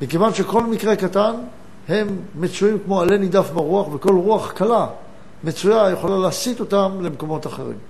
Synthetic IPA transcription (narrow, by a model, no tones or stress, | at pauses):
mikevanʃeko̞lmikʁe̞katan | he̞mːet͡suimkmo̞ale̞nid̪afbaʁuaχveko̞lʁuaχkala | met͡sujajeχolaleasit̪o̞tamle̞mko̞mo̞taχe̞̰ʁḭm